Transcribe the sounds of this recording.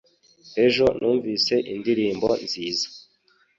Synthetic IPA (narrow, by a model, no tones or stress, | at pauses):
e̞ʒo̞nʔuːɱviːse̞ʔindiɾiːmbo̞nziːzḁ